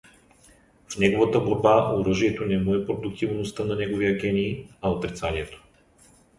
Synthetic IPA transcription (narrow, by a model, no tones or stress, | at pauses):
fnʲɛɡovat̪əboɾbaoɾəʒiɛt̪onɛmoɛpɾod̪ʊkt̪ivnost̪ənanɛɡoviɐkʲɛniːaot̪ɾit̪saniɛt̪o̥